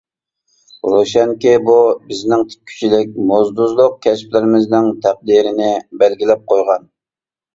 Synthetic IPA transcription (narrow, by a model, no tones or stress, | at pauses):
ɾoʃɛŋkʲibubɪznɪŋt̪ʰɪ̥kʲʰy̥t͡ʃʰilɪkʲmozd̪uzlˠʊq̚kʲʰɛsplɪɾɪmɪznɪŋt̪ʰæq̚d̪iɾɪnɪbælɡʲilɛp̚qʰojʁɑn